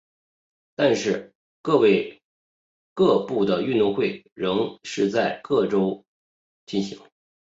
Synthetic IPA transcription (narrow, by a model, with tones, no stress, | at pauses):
t̪a˥˧nʂɻ̩˥˧ | kɤ˥˧we˥˧ɪ | kɤ˥˧pu˥˩d̪ə˩y˥˧nt̪ʊ˥˧ŋxwe˥˩ɪ | ɻɤ˧˥ŋʂɻ̩˥˧t͡sa˥˧ɪkɤ˥˩ʈ͡ʂo˥ʊ | t͡ɕi˥˩nɕḭ˧˥ŋ